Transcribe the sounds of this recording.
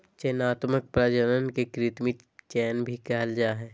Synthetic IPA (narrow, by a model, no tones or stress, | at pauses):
t͡ʃɛːnaːt̪mək̚pɾaːd͡ʒələnkekɾɪt̪mit͡ʃɛːnbʱikɛɦəld͡ʒaːɦɛː